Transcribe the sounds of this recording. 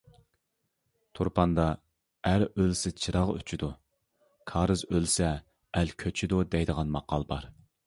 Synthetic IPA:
t̪ʰoɾpʰɑnd̪ɑ | æɾølsɪt͡ʃʰɨɾɑʁy̰t͡ʃʰid̪u | kʰɑːɾɨzølsɛː | lkʲʰøt͡ʃʰid̪ud̪ɛjd̪əʁɑnmɑqɑlˠbɑ̰ɾ

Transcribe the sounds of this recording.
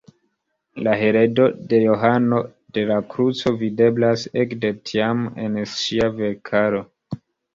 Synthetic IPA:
laɦe̞ɾe̞do̞de̞jo̞ɦano̞ | de̞lakɾut͡so̞vide̞blasekdetʰiame̞̰nʃiave̞ɾkʰaɾo̞

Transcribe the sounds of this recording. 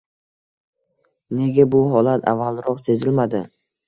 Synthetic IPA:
ne̞ɡʲabʊɦɒlat̪ʰa̰vːalˠɾɒqse̞zɪlmad̪ɪ

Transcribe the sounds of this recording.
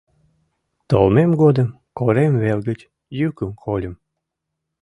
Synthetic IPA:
t̪olmemɡod̪əm | koɾemvelɡət͡ɕ | jykəmkʰolʲə̆m

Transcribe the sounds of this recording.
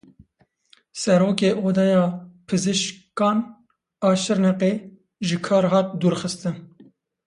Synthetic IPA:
sɛɾoːkeːʔoːd̪ɑjɑːpʰɨzɨʃkɑːn | ɑːʃɨɾnɛqeː | ʒɨkʰɑːɾɦɑːt̪̚d̪uːɾxɨst̪ɨn

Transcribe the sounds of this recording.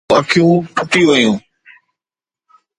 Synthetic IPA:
aːkʰjũːpʊʈiʋəjũː

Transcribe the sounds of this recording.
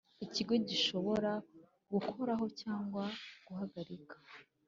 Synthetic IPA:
iciɡo̞ɟiʃo̞βo̞ɾa | ɡukʰo̞ɾaɦo̞caːŋɡwaɡ̥uhaɡaɾikʰḁ

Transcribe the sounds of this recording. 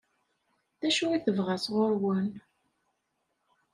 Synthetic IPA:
ðæʃuiθəvʁæsʁʊɾwən

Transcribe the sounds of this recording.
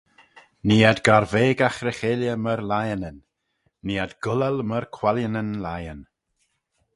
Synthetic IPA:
niːad̪ɡaɾveːɡaxɾɛxeljəməɾlajənənː | iːad̪ɡʊlɛlməɾkʰwaljənənlajən

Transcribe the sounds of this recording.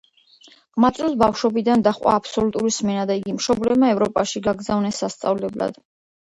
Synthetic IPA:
ʁmat̪sʼusbafʃɔbid̪and̪aχʼwa̰ːpʰsɔlut̪ʼuɾismɛnad̪aiɡimʃɔblɛbmaɛvɾɔpʼaʃiɡaɡzavnɛsːast̪sʼavlɛbla̰d̪̥

